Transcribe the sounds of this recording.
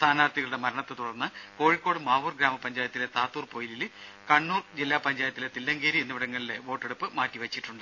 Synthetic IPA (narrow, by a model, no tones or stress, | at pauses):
st̪ʰaːnaːrt̪iɣɐɭuɽe̞mɐɾɐɳɐt̪ːɨt̪uɽɐrnːɨko̞ːɻikːo̞ːɽɨmaːʋuːrɡɾaːmɐpɐɲd͡ʑaːjɐt̪ːile̞t̪aːt̪ːuːrpo̞ːjilil | kɐɳːuːrd͡ʑilːaːpɐɲd͡ʑaːjɐt̪ːile̞t̪ilːɐŋɡeːɾienːuʋiɽɐŋːɐɭile̞ʋo̞ːʈːe̞ɽupːɨmaːtːiʋɐt͡ɕːiʈːuɳɖɨ